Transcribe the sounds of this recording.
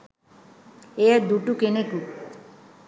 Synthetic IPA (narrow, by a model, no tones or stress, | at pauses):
eaɾd̪uʈukenek̪u